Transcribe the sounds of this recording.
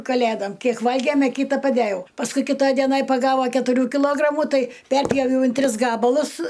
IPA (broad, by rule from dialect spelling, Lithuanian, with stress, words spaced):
kɐˈlʲeːdɐm ˈkʲiɛk ˈʋɐlʲɡʲeːmʲ ɐ ˈkʲiːtɐ pɐˈdʲæːjɛʊ pɐsˈkʊɪ kʲɪˈtɐj dʲiɛˈnɐj pɐˈɡɑːʋɐ kʲɛtʊˈrʲuː kʲɪˈlˠoːɡrɐmʊ ˈtɐɪ ˈpʲɛrʲpʲjoːʋʲɛʊ ɪn ˈtʲrʲɪs ˈɡɑːbɐlˠʊs